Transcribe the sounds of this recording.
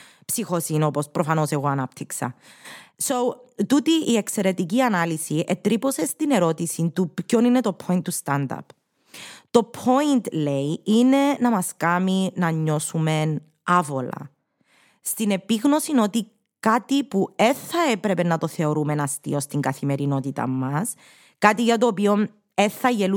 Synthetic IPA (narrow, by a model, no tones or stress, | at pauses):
psixosinopo̞spɾʔofɐno̞se̞ɣoɐnɐpt̪ʰiksɐ̰sowt̪ut̪iʔːekse̞ɾe̞t̪iciɐnɐlisiʔet̪ɾipo̞se̞st̪ine̞ɾo̞t̪isint̪upco̞ninet̪o̞pʰo̞int̪ːust̪and̪ɐ̰p | t̪o̞pʰo̞int̪lejine̞nɐmɐskɐminɐɲːo̞sume̞n | ɐvo̞lɐ̰ | st̪ine̞piɣno̞sino̞t̪i | kat̪ipue̞θːɐe̞pɾe̞pe̞nːɐt̪o̞θe̞oɾume̞nɐst̪ḭo̞st̪iŋɡɐθime̞ɾino̞t̪it̪ɐ̰mːɐs | kat̪iʝɐt̪o̞ːpio̞n | e̞θːɐʝe̞lu